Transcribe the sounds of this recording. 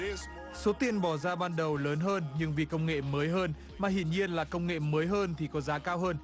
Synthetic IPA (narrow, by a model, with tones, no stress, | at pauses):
so˨˦t̪i˧ənɓɔ˧˩zaː˧ɓaː˧nɗə˨˩wləː˨˦nɦəː˧nɲɨ˧ŋvi˨˩kə˧wŋ͡mŋḛ˧˨məː˨˦jɦəː˧n | maː˨˩ɦḭ˧˨ənɲi˧ənlaː˨˩kə˧wŋ͡mŋḛ˧˨məː˨˦jɦəː˧nt̪ʰi˨˩kɔ˨˦zaː˨˦kaː˧wɦəː˧n